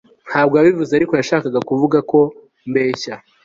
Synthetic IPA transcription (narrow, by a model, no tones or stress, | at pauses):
n̥haːb̚ɡojaβivuzeaɾiko̞jaʃaːkaɡakuvuɡako̞ | mbe̞ːça